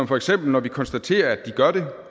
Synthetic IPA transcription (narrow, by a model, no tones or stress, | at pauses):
mfɒeɡ̥sem̰b̥l̩nɒʋikʰɒ̽nsd̥æt͡sʰe̝̰ːɐæd̥ːiɡ̥ɶɐɾ̥e̝